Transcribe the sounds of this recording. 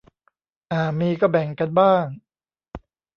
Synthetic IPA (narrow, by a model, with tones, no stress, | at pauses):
ʔaː˨˩miː˧kɔː˥˩bɛ˨˩ŋka˧nbaː˥˩ŋ